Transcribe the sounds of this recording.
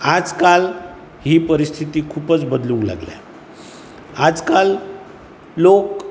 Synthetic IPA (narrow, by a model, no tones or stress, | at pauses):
ad͡zkal | hiːpəɾist̪ʰit̪iːkʰuːpət͡sbəd̪lũŋkla̰ɡlja̰ | ad͡zkal | lok